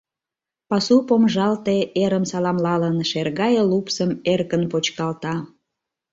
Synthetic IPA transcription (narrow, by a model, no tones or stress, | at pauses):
pɑsupomʒɑlt̪eeɾəmsɑlɑmlɑlənʃerɣɑjəlupsəmerkənpot͡ɕkɑlt̪ɑ